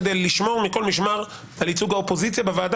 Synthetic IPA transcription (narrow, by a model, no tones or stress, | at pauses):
d̪ejlːiʃmo̞ʁmiko̞lmiʃmaʁ | alit͡suɡaopo̞zit͡sjabevaːd